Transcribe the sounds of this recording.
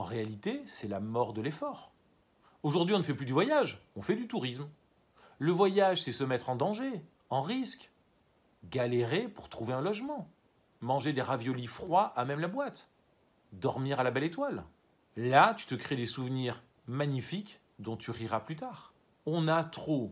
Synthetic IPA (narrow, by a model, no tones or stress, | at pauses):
ɑ̃ʁealit̪esɛlamɔʁd̪əlefɔːʁ | oʒuʁd̪ɥiɔ̃nəfɛplyd̪yvwajaʒɔ̃fɛd̪yt̪uʁism | ləvwajaʒsɛsəmɛt̪χɑ̃d̪ɑ̃ʒe | ɑ̃ʁisk | ɡaleʁepuʁt̪χuveɛ̃lɔʒmɑ̃ | mɑ̃ʒed̪eʁavjɔlifχwaʔamɛmlabwat̪ | d̪ɔʁmiʁalabɛlet̪wal | lat̪y̥t̪əkχed̪esuvniʁ | maɲifik | d̪ɔ̃t̪yʁiʁaplyt̪aːʁ | ɔ̃nat̪χo